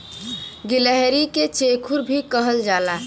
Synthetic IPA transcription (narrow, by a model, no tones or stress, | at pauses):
ɡiləɦɾiket͡ʃekʰuɾbʱikəɦəld͡ʒaːla